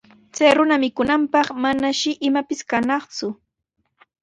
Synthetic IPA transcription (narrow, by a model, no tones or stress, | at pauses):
t͡sajɾʊnamɪkʊnampɑχmanaʃɪʔɪmapɪskanɑχt͡sʊ